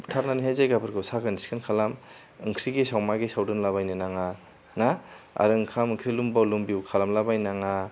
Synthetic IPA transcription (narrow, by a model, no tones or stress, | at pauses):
ptʰaɾnaniɦajzajɡabɯɾɡɯwsaɡɯniskʰɯnkʰalam | ɯŋkʰɾiɡesawmaɡesawdɯnlaβajnɯnaŋa | naa̰ɾɯɯŋkʰamɯŋkʰɾilumbɔlumbiwkʰalamlabajnaŋa